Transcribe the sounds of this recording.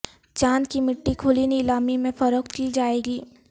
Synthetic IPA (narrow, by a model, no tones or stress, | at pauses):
d͡ʒaːnkimɪʈːikʰʊliniɪlaːmimẽfɐɾəkt̪kid͡ʒaːeːɡiː